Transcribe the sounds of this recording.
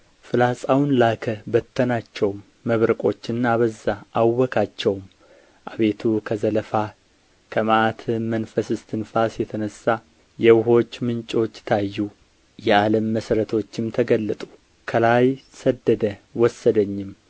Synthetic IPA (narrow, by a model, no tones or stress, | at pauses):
fɨlasʼawnlakʰəbət̪ʰːənat͡ʃːɛwmːəβɾəkʼo̞t͡ʃːɨnːaβəzːaʔawːɔkʰat͡ʃːɛwm | ʔaβe̞t̪ʰukʰəzələfa | kʰəmʔat̪ʰɨmənfəsɨst̪ʰɨnfasjɛt̪ʰənəsːa | jɛwɦo̞t͡ʃːmɨnt͡ʃʼo̞t͡ʃːt̪ʰajːu | jɛaləmːəsəɾət̪ʰo̞t͡ʃːɪmt̪ʰəɡəlːət̪ʼu̥ | kʰəlajsəd̪ːəd̪əwɔsːəd̪əɲːɪm